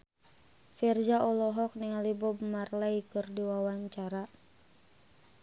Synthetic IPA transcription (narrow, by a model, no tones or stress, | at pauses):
fird͡ʒaʔɔlɔɦɔk̚niŋalibɔbəmarlaikɨrdiwawaɲt͡ʃaɾa